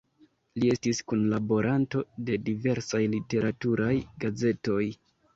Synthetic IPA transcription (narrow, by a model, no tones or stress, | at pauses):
lie̞stiskunlabo̞ɾʔanto̞de̞dive̞ɾsajlite̞ɾatuɾajɡaze̞to̞j